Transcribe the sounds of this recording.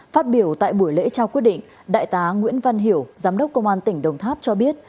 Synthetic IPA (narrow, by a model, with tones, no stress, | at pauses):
faː˦˥t̚ɓi˧˩əwt̪a̰ː˧˨jɓu˧˩əjlḛ˧˥t͡ɕaː˧wki˦˥ət̚ɗḭ˧˨ŋ̟ | ɗa̰ː˧˨jt̪aː˨˦ŋwḭ˧˥ənvə˧nɦi˧˩əwzaː˨˦mɗə˦˥k͡p̚kə˧wŋ͡mʔaː˧nt̪ï˧˩ŋ̟ɗə˧wŋ͡mt̪ʰaː˦˥p̚t͡ɕɔ˧ɓi˦˥ət̚